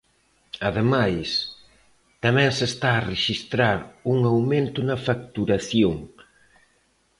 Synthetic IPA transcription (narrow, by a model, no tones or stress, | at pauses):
aðemajs | t̪amɛ̃ŋsest̪aːreʃist̪ɾaɾuŋawmẽnt̪ʊnɐfakt̪uɾaθjoŋ